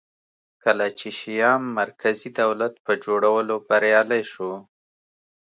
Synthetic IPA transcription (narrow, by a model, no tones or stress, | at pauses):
kəlat͡ʃeʃijɑmːaɾkʰazid̪awlat̪̚pəd͡ʒoɽawəlobaɾjɑlajʃo